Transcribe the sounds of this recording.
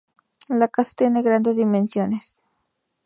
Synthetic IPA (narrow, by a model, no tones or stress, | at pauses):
lakasḁt̪je̞neɣɾand̪e̞zðimẽnsjo̞nes